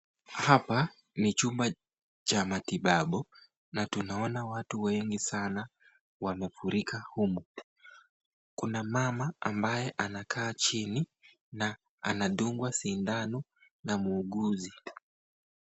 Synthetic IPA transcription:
hapa | nit͡ʃumba | t͡ʃamatiɓaɓɔ | natunaɔnawatuwɛŋɡisana | wamɛfuɾikahumu | kunamamaambajɛʔanakʰaːt͡ʃini | na | anaɗuŋɡwasindanu | namuːɠuzi

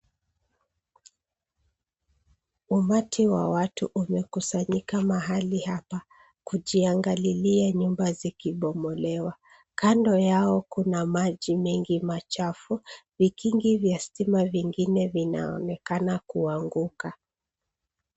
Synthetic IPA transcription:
umatʰiwa̰watuʔumɛkusaɲikamaɦalihapa | kuʄiaŋɡaliliaɲumbazikiɓɔmɔlɛwa | kandɔjaɔkunamaʄimɛŋɡimat͡ʃafuvikiŋɡivjastimaviŋɡinɛvina̰ɔ̰nɛkanakuaŋɡuka

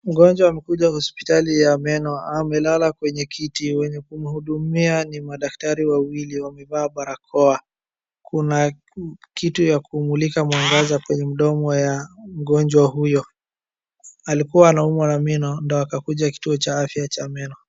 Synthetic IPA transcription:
m̩ɡɔnd͡ʒwaːmɛkuʄahɔspi̥talijamɛnɔamɛlalakwɛɲɛkʰitiwɛɲɛkum̩huɗumianimaɗaktaɾiwawiliwamɛɓaːɓaɾakʰɔa | kʰuna | kitujakuːmulikamwaŋɡazakwɛɲɛm̩ɗɔmɔjam̩ɠɔnd͡ʒwaɦujɔ | alikuwaːnaumwanaminɔndɔakakuʄaki̥tuɔt͡ʃaafjat͡ʃamɛnɔ

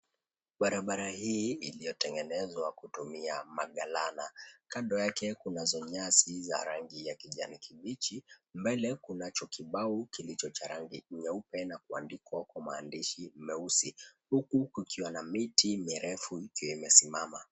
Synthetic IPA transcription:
ɓaɾaɓaɾahiːilijɔtɛŋɡɛnɛzwakutumiamaɠalanakandɔjakɛkunazɔɲasiza̰ɾaŋɡijakiʄa̰nikʰiɓit͡ʃimbɛlɛkunat͡ʃɔkiɓaukilit͡ʃɔt͡ʃaɾaŋɡḭɲɛupɛnakua̰ndikwakamaːndiʃimɛusihukukukiwanamitimiɾɛfuikijɔimɛsimama

